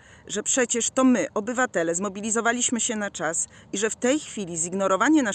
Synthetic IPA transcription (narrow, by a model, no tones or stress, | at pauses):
ʐɛpʂɛt͡ɕɛʂt̪ɔmɘʔʔɔbɘvat̪ɛlɛzmɔbʲilʲizɔvalʲiɕmɘɕɛnat͡ʂas | iʐɛft̪ɛjxfʲilʲiziɡnɔɾɔvaɲɛna